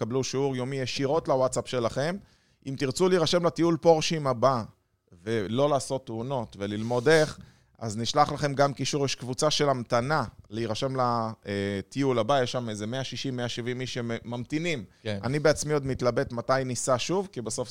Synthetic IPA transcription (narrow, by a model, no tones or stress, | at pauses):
kabluʃiuʁjo̞mijeʃiʁo̞t̪lawatsapʃe̞laχe̞m | ʔimt̪iʁt͡suliiʁaʃe̞mlat̪iulpo̞ʁʃimaba | ve̞lo̞laːso̞t̪ːeuno̞t̪velilmo̞d̪eχ | a̰zniʃlaχlaχe̞mɡamkiʃuʁjɛʃkvut͡saʃe̞lamt̪analeiʁaʃemlaet̪iulabajeʃːamezeme̞aʃiʃimːeaʃivimːiʃemmːamt̪inimanibeat͡smio̞d̪mit̪labe̞t̪mat̪ajnisaʃuvkibeso̞f